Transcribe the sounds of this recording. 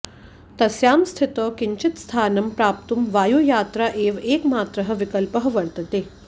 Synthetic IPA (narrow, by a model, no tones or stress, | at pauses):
t̪ɐsjaːmst̪ʰit̪ɔkiɲt͡ʃit̪st̪ʰaːnɐmpɾaːp̚t̪umʋaːjuːjaːt̪ɾaʔeːʋeːkmaːt̪ɾəɦə̆ʋikɐlpəɦʋɐɽt̪ɐt̪eː